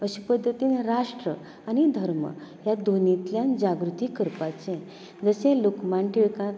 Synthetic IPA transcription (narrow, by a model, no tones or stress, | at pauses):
əɕipəd̪ʱːət̪iːnɾaʂʈɾə | añid̪ʱəɾmə̰jad̪ʱonit̪ljãnd͡ʑaɡɾut̪iːkːəɾpat͡sẽ | d͡zəsẽlokmaɳʈiɭkã